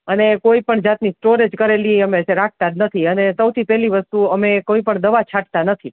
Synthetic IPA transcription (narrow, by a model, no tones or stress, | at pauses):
ənekoipəɳd͡ʒat̪nisʈoɾed͡ʒkəɾeliəmeseɾak̚ʰt̪anət̪ʰiənesəwt̪ʰipɛɦliʋəst̪uəmekoipəɳd̪əʋat͡ʃʰaʈt̪anət̪ʰi